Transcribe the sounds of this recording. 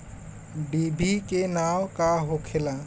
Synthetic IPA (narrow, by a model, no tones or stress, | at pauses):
bibʱikenawkaɦokʰela